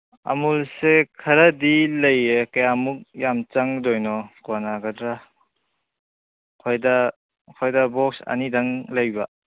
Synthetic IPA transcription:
a̰mulsekʰɐɾɐdilɐjekajamuk̚jamt͡ʃaŋdɔjnɔkoanaɡadɾa | kʰojda | kʰɔjdabɔk̚sɐ̰nidaŋlɐjba

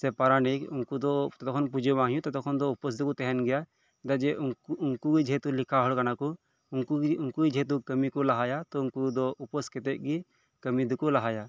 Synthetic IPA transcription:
sɛpaɾanikuŋkud̪ɔɔt̪ɔkʰɔnp̬ud͡ʒebãɦijũt̪ɔt̪ɔkʰɔnd̪ɔupɔs̬d̪ɔkut̪ɛɦɛnɡɛja | d̪ad͡ʒɛʔːŋkuɡid͡ʒʱɛt̪ulikʰaɦɔlkanaku | ŋkuuŋkuid͡ʒʱɛt̪̬ukəmikɔlaɦajat̪ɔuŋkud̪ɔʔupɔskɛt̪ɛʔ̚ˀɡi | kəmid̪ɔkɔlaɦaja

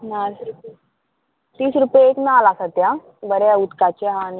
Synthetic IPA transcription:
naɾ | t̪iːsɾupjeeknalasət̪ja | bəɾaut̪kat͡ɕeɦãn

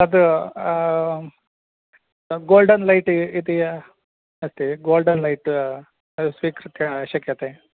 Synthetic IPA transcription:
ɐd̪u | ɡoːlɖɐnlɐjʈit̪i | ɐst̪iɡoːlɖɐnlɐjʈ | ɐsʋiːkɾɨt̪jɐʃɐkjɐt̪e

